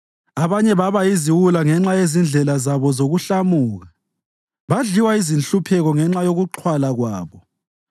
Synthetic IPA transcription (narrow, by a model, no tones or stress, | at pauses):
aβaɲɛβaβajiziwulaŋɛŋ͡ǁajezind͡ɮʱɛlazaβɔzoɣuɬamuːɣa | βaɮiwaizinɬupʰɛɣɔŋɛŋ͡ǁajoɣuǃʰwalaɣwaːβɔ